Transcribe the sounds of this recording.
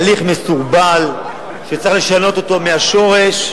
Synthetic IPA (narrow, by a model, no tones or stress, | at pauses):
liχmesuʁbal | ʃet͡saχle̞ʃano̞t̪o̞t̪o̞meaʃo̞ʁeʃ